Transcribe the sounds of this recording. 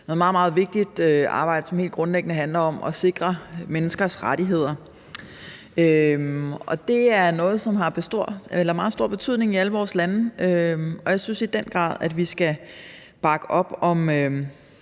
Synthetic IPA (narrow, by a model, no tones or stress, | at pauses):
nɔːð̩ˠmɑð̩ˠmɑ̈ːð̞̩ˠʋe̝ɡ̥̚d̥id̥øɑ̰̈ːb̥ɑ̈ɪ̰d̥əsɒ̽mhe̝̰ld̥̚ɡ̥ʁɔ̽nleɡ̥nəɦænlɐɒ̽mʔɒ̽se̝ɡ̥ʁɐmenəsɡ̥ɐsʁaɾiɦe̝ð̞̰ˠɐ | ømɒ̽d̥e̝æɐnɔ̽ːð̞̩ˠsɒ̽mɦɑ̈b̥esd̥o̝ɐ̰elɐmɑ̈ːðˠsd̥o̝ɐ̰b̥e̝t͡sʰyð̰ˠne̝ŋiæləʋɒːslænəʔøɒ̽jɑ̈ɪsynsid̥en̰ɡ̥ʁɑ̰̈ːðˠæd̥ʋisɡ̥æ | b̥ɑ̈ɡ̥əʔɒ̽b̥ɒ̽mø